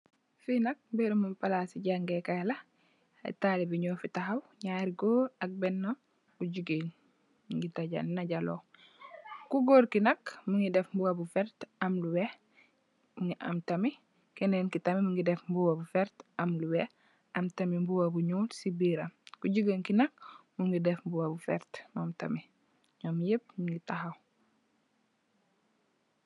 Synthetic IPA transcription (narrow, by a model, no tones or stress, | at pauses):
finɐk̚beɾumumpalasiɟaŋɡekalɐ | a̰talibiɲɔːfitaɦawɲaːɾiɡoːɐk̚bɛnːa | uɟuɡen | ŋɡitaɟa̰lnaɟalo̰ | kuɡoːɾkinɐkmiŋɡidɛfmbuwabufɛɾtɐmluwɛ | muŋiʔa̰mtɐmi | kɛnɛnkitɐmimuŋɡidɛfmbuwabufɛɾtɐmluwɛ | ɐmtɐmimbuwabuɲuːlsibiɾɐmkuɟuɡeŋkinɐk̚muŋɡidɛfmbuwabufɛ̰ɾtmamtɐ̰mi | ɲɔːmjep̚ŋɡitahaw